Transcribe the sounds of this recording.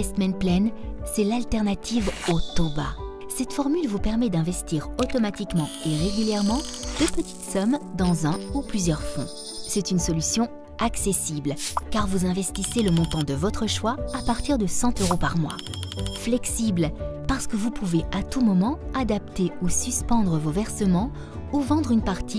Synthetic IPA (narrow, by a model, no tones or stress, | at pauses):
ɛsmɛ̃nplɛnsɛlalt̪ɛʁnat̪ʰivot̪ɔba̰ | sɛt̪fɔʁmylvupɛʁmɛd̪ɛ̃vɛst̪iʁot̪ɔmat̪ikmɑ̃eʁeɡʲyljɛʁmɑ̃d̪̥øpət̪ʰi̥t̪sɔmd̪ɑ̃zɛ̃uplyzjœʁfɔ̰̃ | sɛt̪ynsɔlysjɔ̃ | aksesiblkaʁvuzɛ̃vɛst̪iseləmɔ̃t̪ɑ̃d̪əvɔt̪χəʃwaːpaʁt̪iʁd̪əsɑ̃t̪øʁopaʁmwa̰flɛksiblpaʁsə̥kəvupʰuveʔat̪umɔmɑ̃ad̪ap̚t̪eusyspɑ̃d̪ʁəvovɛʁsəmɑ̃ | uvɑ̃d̪ʁynpaʁt̪ʰi